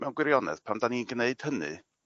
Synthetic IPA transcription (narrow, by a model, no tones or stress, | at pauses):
mɛwnɡwɪɾjɔnɛ̰ð̥pʰamdaninɡəneɨd̥hənɨ̰